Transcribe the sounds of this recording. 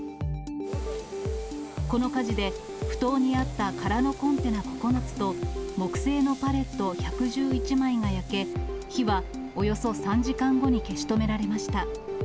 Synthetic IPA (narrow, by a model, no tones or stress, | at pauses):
ko̞no̞kaʑid̪e̞ | ɸɯ̟̥t̪o̞ːɲ̟iat̪ːakaɾano̞kõ̞nt̪e̞nako̞̥ko̞nat͡sɨ̥t̪o̞mo̞kɯ̟̥se̞ːno̞paɾe̞t̪ːo̞çakɯ̟ʑɨːit͡ɕimaiŋajake̞ | çiβa | o̞jo̞so̞sãɲ̟d͡ʑikãŋɡo̞ɲ̟ike̞ɕi̥t̪o̞me̞ɾaɾe̞maɕi̥t̪a